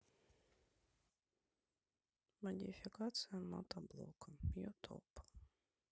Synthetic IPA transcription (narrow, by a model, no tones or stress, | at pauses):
mad̪ʲifʲikat̪sɨjama̰t̪ablˠɔ̰kʰajɔt̪ʰɔ̰p